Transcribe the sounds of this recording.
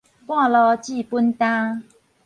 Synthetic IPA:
pwã˥˧˨lɔ˧t͡ɕi˥˨pu˦˥nt̪ã˦

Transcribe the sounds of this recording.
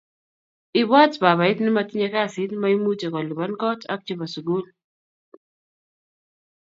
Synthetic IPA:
ɪ˦bɔ˦tba˨βa˨ɪ˦t̪nɪ˦ma˨tɪ˦ɲe˦ka˦sɪ˦tma˦i˦mu˦te˨kɔ˨li˨ba˦nkɔ˦ta˦k̚t͡ʃi˦ba˨su˨ɡu˦l

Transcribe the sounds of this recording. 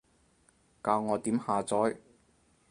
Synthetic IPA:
kaː˧wŋɔː˨˧t̪iː˨˥mhaː˨˧t͡sɔː˨˥j

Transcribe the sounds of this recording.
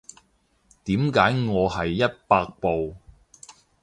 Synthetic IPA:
t̪iː˨˥mkaː˨˥jŋɔː˨˧hɐ˨jːɐ˥t̚paː˧k̚po˨w

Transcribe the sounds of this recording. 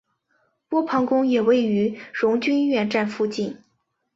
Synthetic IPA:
pwɔ˥pʰɑ˧˥ŋkʊ˥ŋjɛ˨˩we˥˩ɪy˧˥ɻʊ˧˥ŋt͡ɕy˥nɥɛ˥˧nʈ͡ʂa˥˧nfu˥˧t͡ɕi˥˩n

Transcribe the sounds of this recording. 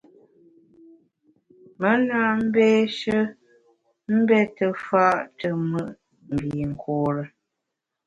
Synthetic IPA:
mə˦na˦m̩˦beː˦ʃə˦ | m̩˦bɛ˦tə˨fa˦ʔtə˨mə˦ʔ | m̩˨bi˨ŋ̩˨kʰɔː˨ɾə˨

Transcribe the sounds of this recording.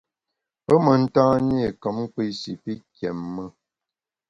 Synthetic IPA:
pə˦mə˨n̩˦tãː˦ɲ˦e˦˨kə˨˦m˦k͡pi˦si˨pi˦kjɛ˨mːə˦˨

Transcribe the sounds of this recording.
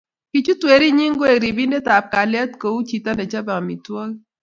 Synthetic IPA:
ki˨t͡ʃu˦twe˨ɾi˦ɲi˦ŋɡo˦e˨ɾi˨bi˦nde˦ta˨p̚ka˨lja˦tko˨u˦t͡ʃi˨ta˦nɛ˨t͡ʃa˦ba˨ŋ˨mi˨twɔ˦l

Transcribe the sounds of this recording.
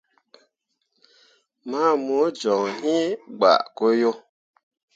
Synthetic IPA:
ma˦˨mo˨˦d͡ʒɔ˨ŋhĩ˦ɡ͡ba̰˨ko˦jo˦

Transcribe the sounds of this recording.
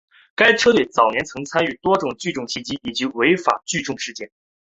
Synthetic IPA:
ka˥ɪʈ͡ʂʰɤ˥t̪we˥˩ɪt͡sɑ˨˩ʊnjɛ˧˥nt͡sʰɤ˧˥ŋt͡sʰa˥ny˥˩t̪wɔ˥ʈ͡ʂʊ˨˩ŋt͡ɕy˥˧ʈ͡ʂʊ˥˩ŋɕʰi˥t͡ɕi˥i˨˩t͡ɕi˧˥we˧˥ɪfa̰˨˩t͡ɕy˥˧ʈ͡ʂʊ˥˧ŋʂɻ̩˥˧t͡ɕjɛ˥˩n

